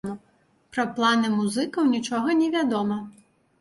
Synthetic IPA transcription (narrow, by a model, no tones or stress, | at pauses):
mɐ | pɾɐplˠanɨmuzɨkɐwnʲit͡ʂɔɣɐnʲɛvʲad̪ɔmɐ